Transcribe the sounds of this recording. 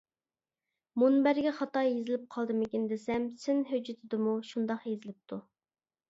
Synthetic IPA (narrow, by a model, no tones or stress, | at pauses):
munbæɾɡʲɛχɑt̪ɑjjezɪlɪp̚qʰɑlˠd̪ɨmɪkʲind̪ɪsɛmsɪnɦød͡ʒɪt̪ʰɪd̪ɨmuʃund̪ɑqjezɪlɪp̚t̪ʰu